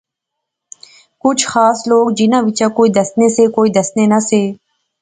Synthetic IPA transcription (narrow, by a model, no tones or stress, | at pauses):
kʊt͡ʃʰxaːsloːɡd͡ʒɪnãːʋɪt͡ʃãːkoːid̪əsneseːkoːiːd̪əsneːnaseː